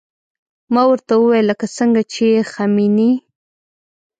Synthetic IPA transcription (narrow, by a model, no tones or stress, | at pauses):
mawəɾt̪awəwajləkasəŋɡat͡ʃexamini